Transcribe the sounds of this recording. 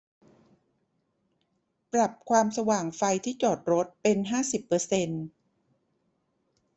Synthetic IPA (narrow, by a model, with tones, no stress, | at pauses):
pɾa˨˩p̚kʰwaː˧msa˧waː˨˩ŋfa˧jt̪ʰiː˥˩t͡ɕɔː˨˩t̪̚ɾo˦˥t̪̚pe˧nɦaː˥˩si˨˩pːɤː˧se˧n